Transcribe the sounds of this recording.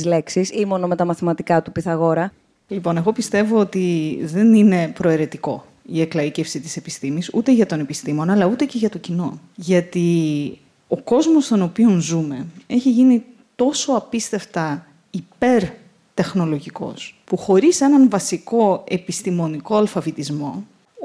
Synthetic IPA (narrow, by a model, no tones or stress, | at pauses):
zleksisimo̞nomet̪ɐmɐθimɐt̪ikɐt̪upiθɐɣo̞ɾɐ | lipo̞ne̞ɣo̞pist̪e̞vo̞ot̪iðe̞nine̞pɾo̞eɾe̞t̪iko̞̰ | ieklɐice̞fsit̪i̥se̞pist̪imisut̪e̞ʝɐt̪o̞ne̞pist̪imo̞nɐlɐut̪e̞ce̞ʝɐt̪o̞cino̞ | ʝɐt̪i | oko̞zmo̞st̪o̞no̞pio̞nzume̞e̞çiʝini | t̪o̞so̞ɐpist̪e̞ft̪ɐ | ipe̞ɾ | t̪e̞xno̞lo̞ʝiko̞̰spuxo̞ɾise̞nɐnvɐsiko̞e̞pist̪imo̞niko̞ɐlfɐvit̪izmo̞